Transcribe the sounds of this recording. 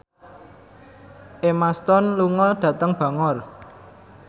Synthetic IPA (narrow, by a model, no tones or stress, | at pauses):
ʔemast̪ɔnluŋɔɖ̥ä̤t̪əŋb̥ä̤ŋɔr